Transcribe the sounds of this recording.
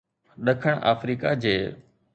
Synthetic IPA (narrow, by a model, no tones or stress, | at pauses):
ɗəkʰəɽ̃a̰ːfɾiːkad͡ʑeː